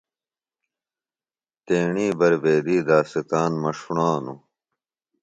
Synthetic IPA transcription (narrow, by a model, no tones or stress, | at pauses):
t̪eːɳiːbɐɾbeːd̪iːd̪aːsit̪aːnmɐʂuɳaːnu